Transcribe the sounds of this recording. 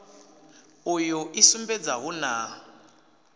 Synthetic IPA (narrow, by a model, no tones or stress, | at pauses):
ujuʔisumbɛd͡zaɦuna